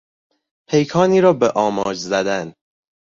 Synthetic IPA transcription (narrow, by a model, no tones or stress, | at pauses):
pʰe̞jkʰɒːniːɾɒːbeʔɒːmɒːd͡ʒzæd̪æn